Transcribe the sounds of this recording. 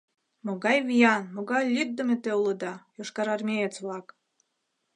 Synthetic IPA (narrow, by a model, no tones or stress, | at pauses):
moɣɑjβijɑnmoɣɑjlʲit̪̚d̪ə̆mʲet̪euləd̪ɑjoʃkɑɾɑrmʲejet͡sβlɑk